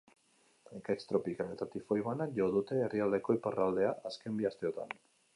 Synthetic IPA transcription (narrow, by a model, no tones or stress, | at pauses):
ekakst̪ɾo̞pikalet̪at̪ifojβanaʝo̞ðut̪e̞ːriald̪e̞ko̞iparald̪e̞aʔaske̞mbiast̪e̞o̞t̪a̰n